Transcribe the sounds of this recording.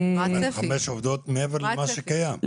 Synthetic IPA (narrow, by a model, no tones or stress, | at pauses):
aχameʃovd̪ot̪meeveʁlamaʃekajam